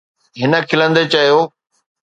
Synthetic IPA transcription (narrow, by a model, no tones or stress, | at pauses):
ɦɪnə̆kʰɪlə̃nd̪et͡ɕɐɦjoː